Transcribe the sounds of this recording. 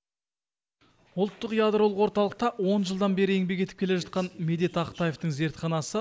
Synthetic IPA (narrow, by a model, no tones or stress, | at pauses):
ʊlˠt̪ːəqjad̪ɾo̞lˠəqwo̞ɾt̪ɑlˠəq̚t̪ɑwo̞nʒəlˠd̪ɑnbe̞ɾɪe̞ŋbe̞kʲe̞t̪ɪp̚kʲee̞ʒɑt̪̚qɑnme̞d̪e̞t̪ɑqt̪ɑjeft̪əŋze̞ɾt̪χɑnɑsə